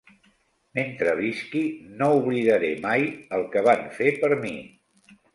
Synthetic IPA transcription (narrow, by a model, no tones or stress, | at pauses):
ment̪ɾəβiskinouβliðəɾemajəlˠkəβanfepəɾmḭ